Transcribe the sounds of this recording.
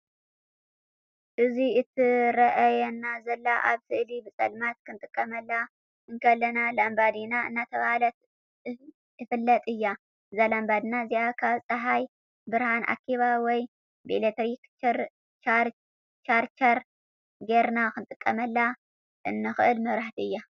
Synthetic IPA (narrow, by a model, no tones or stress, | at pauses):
ʔɨziɨt̪ʰɨɾɐʔɐjɛnːazɐlːaʔa̰βsɨʔlibɨsʼɐ̰lmat̪kʰɨnt̪ʼɨkʼːɐmɐlːa | ʔɨŋkʰɐlːɐnalambad̪inaɨ̰nːat̪ʰɐβahalɐt̪ | ɨfɨlːɐt̪ʼɨjːa | ɨzalambad̪naziʔakʰaβsʼɐɦaj | bɨɾhanʔa̰kʰːiβawɔj | bilet̪ʰɾikt͡ʃɾ | t͡ʃaɾ | t͡ʃaɾt͡ʃɐɾ | ɡeɾnakɨnt̪ʼɨkʼːɐmɐlːa | ʔɨnːɨxɨʔɨlmɐβɾaħt̪iɨjːa